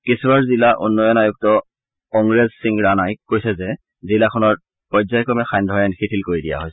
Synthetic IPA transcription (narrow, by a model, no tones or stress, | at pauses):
kisubaɹzilaʔṵnːɔjɔnajɔk̚tɔ | ɔŋɹezsiŋɡɹanajkojsɛzɛ | zilakʰɔnɔɹ | pɔjzajkɔmɛxajndʱɔjanikʰitʰilkoɹidija̰ɦojs